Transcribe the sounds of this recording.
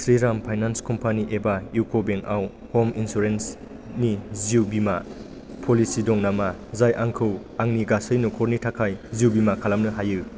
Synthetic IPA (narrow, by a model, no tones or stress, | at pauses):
sɾiɾampʰajnanskɔmpʰaniʔebaukʰobeŋaw | hominsuɾens | niziwbima | pʰolisidɔŋnamazajʔaŋkʰɯw | aŋniɡasɯjnukʰɔɾnitʰakʰajziuwbimakʰalamnɯɦajɯ